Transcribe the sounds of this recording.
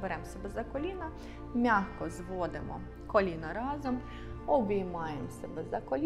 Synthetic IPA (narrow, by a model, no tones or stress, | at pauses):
beɾɛmsɛbɛzɐkɔlʲinɐ | mʲjaxkɔzʋɔd̪emɔ̰ | kɔlʲinɐɾɑzɔm | ɔbʲijmɑjemsʲɛbɛzɐkɔlʲ